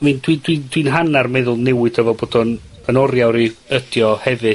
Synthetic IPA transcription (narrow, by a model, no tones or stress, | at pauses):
mɨndwidwind̥winɦanarmɛðʊlˠnɛwɨdəvɔboːdɔn | ənɔrjawɾiəd̥jɔhɛvɨ